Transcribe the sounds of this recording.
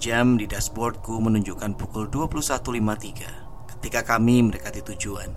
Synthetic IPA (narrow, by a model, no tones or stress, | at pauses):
d͡ʒamdidasbɔrt̪̚kumənuɲd͡ʒukanpukʊlduapulusat̪ulimat̪iɡa̰ | kə̥t̪ikakamiməɾekat̪it̪ud͡ʒuan